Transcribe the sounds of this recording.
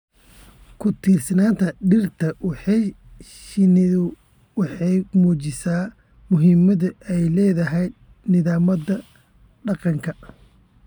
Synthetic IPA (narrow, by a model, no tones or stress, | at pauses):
kʰʊt̪ʰiːrsɐnaːnt̪ʰɐɖɪrt̪ʰɐwɑħɑj | ʃnʊ | wɑħɑjmuːt͡ʃɪsaː | mʊɦɪmɐðʊʔɛjlɛːðɐɦɛj | nɪðaːmɐðɐ | ɖɑqɑŋkʰɐ